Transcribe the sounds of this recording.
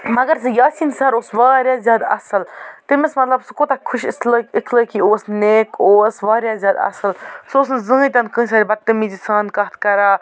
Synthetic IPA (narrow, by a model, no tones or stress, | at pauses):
mɐɡɐɾsɨjaːsiːnsɐɾoːsʋaːɾjaːzʲjaːd̪ɐ̰səlt̪ɨməsmɐt̪lɐbsɨkot̪akʰʊʃsləikʰləːkioːsneːkʰoːsʋaːɾjaːzʲjaːd̪ɐ̰səlsoːsnzɨ̃ɦt̪ʲɐnkə̃ːs̬aːɾibɐd̪̚t̪ːɨmid͡ʒisaːnkɐt̪ʰkɐɾaː